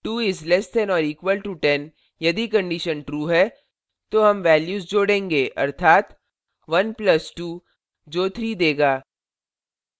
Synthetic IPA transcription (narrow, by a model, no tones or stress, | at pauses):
ʈuːɪzlɛsʈɛnɔːɾiːkʋəlʈuʈɛn | jɐd̪ikɐ̃ɳɖiʃənʈɾuːɦɛ | t̪oːɦɐmʋɛːljuːzd͡ʒoːɽẽːŋɡeːʔɐ̰ɾt̪ʰaːt̪ | ʋɐnplɐsʈuː | d͡ʒoːt̪ʰɾiːd̪eːɡaː